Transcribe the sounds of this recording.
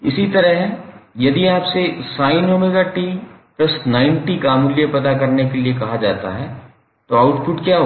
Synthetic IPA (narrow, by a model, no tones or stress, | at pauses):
ɪsit̪ɐɾəɦjɐd̪iaːpsesaːɪnoːmeɡaʈiplɐsnãːɪnʈikaːmʊljepɐt̪akɐɾnekeliekɐɦad͡ʒa̰ːt̪a̰ɦɛ | t̪oaʊʈpʊʈkjaːɦo